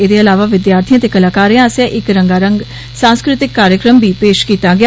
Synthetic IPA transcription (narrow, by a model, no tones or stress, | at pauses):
eːd̪eːəlaːʋaːʋɪd̪jaːɾt̪ʰijãːt̪eːkəlaːkaːɾeãːsãːʔɪkɾəŋɡaːɾəŋɡ | sãːskɾɪt̪ɪkːaːɾjəkɾəmbiːpeːʃkiːt̪aːɡe